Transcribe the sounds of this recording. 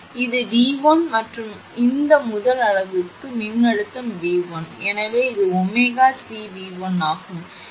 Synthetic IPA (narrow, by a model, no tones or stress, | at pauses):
ɪðɯʋiːʋɐnmɐʈrɯm | ɪnd̪ɐmʊðɐlɐɻɐʋɯkːɯmɪnːɐɽɯt̪ːɐmʋiːʋɐnɛnɐʋeːɪðɯɔmːeɣaːsiːʋiːʋɐnaːɣɯm